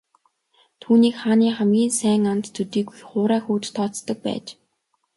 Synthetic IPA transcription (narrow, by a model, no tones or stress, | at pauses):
t̪ʰuːniːkχaːniːχæmɡʲiːnsæːŋant̪ːʰɵt̪iːɡujχʊːɾaːxuːt͡ɕt̪ʰɔːt͡st̪ɞ̆k̚pæ̰ːt͡ɕ